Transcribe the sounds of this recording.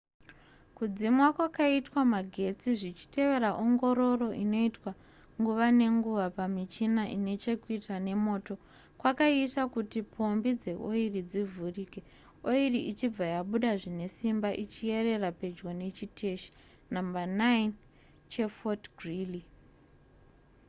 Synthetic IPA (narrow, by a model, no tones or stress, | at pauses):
kud͡zimwakwakaitwamaɡʱe̞t͡siʐit͡ʃi̥te̞ʋe̞ɾaʔo̞ŋɡo̞ɾo̞ro̞ʔino̞itwa | ŋɡuʋane̞ŋɡuʋapamit͡ʃinaʔine̞t͡ʃe̞kuitane̞mo̞ːto̞ | kwakaitakutipʰo̞mbid͡ze̞ʔo̰irid͡zivʱurike̞ | oiriʔit͡ʃib͡vajaɓuɗaʐine̞simbaʔit͡ʃie̞re̞rape̞d͡ʒɡone̞t͡ʃitʰe̞ʃi̥ | nambanain | t͡ʃe̞fotɡʱrili